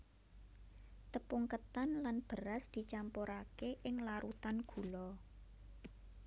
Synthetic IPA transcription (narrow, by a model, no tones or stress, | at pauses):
t̪əpuŋkət̪anlanb̥ə̤ɾasd̪̥i̤t͡ʃampoɾakeʔɪŋlaɾʔut̪anɡ̥ṳlɔ